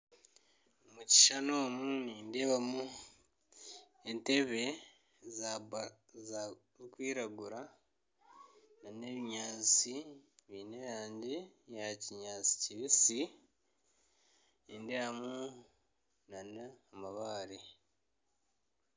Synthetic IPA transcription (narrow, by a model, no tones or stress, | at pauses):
omuci̥ʃano̞ːmuniːndeβamu | ente̞βe̞ | z | z | kwiːɾaɡuɾa | nane̞βiɲaːt͡siβiːneβjaːɲɟijaciɲaːt͡si̥ciβisi | endeβamu | naneamaβaːɾi